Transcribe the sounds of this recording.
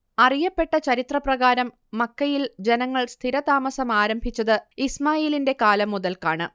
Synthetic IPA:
ɐrijɐpːe̞ʈːɐt͡ɕɐɾit̪rɐprɐɣaːɾɐmːɐkːɐjild͡ʑe̞nɐŋːɐɭst̪ʰiɾɐt̪aːmɐsɐmaːɾɐmbʱit͡ɕːɐðɨismaːjeːlinde̞kaːlɐmːuðɐlkaːɳɨ

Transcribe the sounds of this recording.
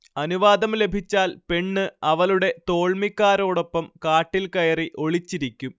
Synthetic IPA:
ɐnuʋaːd̪ɐmle̞bʱit͡ɕːaːlpe̞ɳːɨɐʋɐluɽe̞t̪o̞ːɭmikːaːɾo̞ːɽo̞pːɐmkaːʈːilkɐjɐriʔo̞ɭit͡ɕːiɾikʲːum

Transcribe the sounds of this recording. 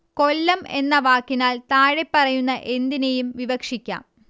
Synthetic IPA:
ko̞lːɐme̞nːɐʋaːkːinaːlt̪aːɻepːɐrɐjunːɐʔe̞nd̪inejumʋiʋɐkʂikʲːa̰ːm

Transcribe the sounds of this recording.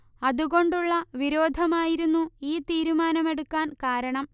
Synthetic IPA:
ɐðuɣo̞ɳɖuɭːɐʋiɾo̞ːd̪ʱɐmaːjiɾunːuiːt̪iːɾumaːnɐme̞ɽukːaːnkaːɾɐɳɐm

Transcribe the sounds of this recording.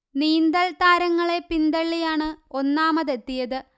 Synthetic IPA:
niːnd̪ɐlt̪aːɾɐŋːɐɭe̞pind̪ɐɭːijaːɳɨo̞nːaːmɐðe̞t̪ːijɐðɨ

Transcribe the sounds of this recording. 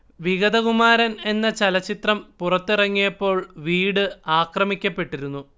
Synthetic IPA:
ʋiɣɐd̪ɐkumaːɾɐne̞nːɐt͡ɕɐlɐt͡ɕːit̪rɐmpurɐt̪ːirɐŋːijɐpːo̞ːɭʋiːɽɨaːkrɐmikʲːɐpːe̞ʈːiɾunːu

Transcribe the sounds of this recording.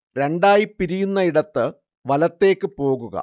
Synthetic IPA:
ɾe̞ɳɖaːjipːiɾijunːɐiɽɐt̪ːɨ | ʋɐlɐt̪ːe̞ːkːɨpo̞ːɣuɣɐ̰

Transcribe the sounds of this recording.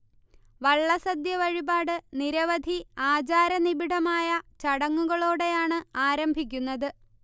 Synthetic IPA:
ʋɐɭːɐsɐd̪jɐʋɐɻibaːɽɨniɾɐʋɐd̪ʱiaːd͡ʑaːɾɐnibiɽɐmaːjɐt͡ɕɐɽɐŋːuɣɐɭoːɽe̞jaːɳɨaːɾɐmbʱik̬ʲːunːɐðɨ

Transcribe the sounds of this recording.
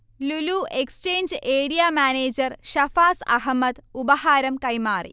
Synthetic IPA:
luluːʔekst͡ʃeːnd͡ʒeːɽijaːmaːneːd͡ʒɐɾʃɐfaːsɐ̰ɦɐmːɐt̪ubɐɦaːɾɐmkɐjmaːɾḭ

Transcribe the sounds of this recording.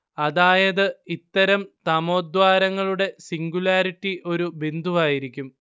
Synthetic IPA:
ɐðaːjɐðɨit̪ːɐɾɐmt̪ɐmo̞ːd̪waːɾɐŋːɐɭuɽe̞siŋɡulaːɾiʈːiʔo̞ɾubind̪ʱuʋaːjiɾikʲːum

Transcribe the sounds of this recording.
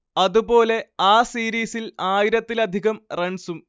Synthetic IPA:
ɐðubo̞ːle̞aːsiːɾiːsilaːjiɾɐt̪ːilɐd̪ʱiɣɐmreɳsum

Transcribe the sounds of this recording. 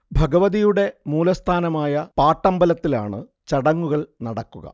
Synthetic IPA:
bʱɐɡɐʋɐðijuɽe̞muːlɐst̪ʰaːnɐmaːjɐpaːʈːɐmbɐlɐt̪ːila̰ːɳɨ̰ | t͡ɕɐɽɐŋːuɣɐɭnɐɽɐkːuɣɐ̰

